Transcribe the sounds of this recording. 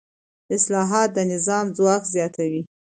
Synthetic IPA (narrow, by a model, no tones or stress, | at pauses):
ɪslɑɦɑt̪̚d̪ənɪzɑmzwɑkzjɑt̪ʰawi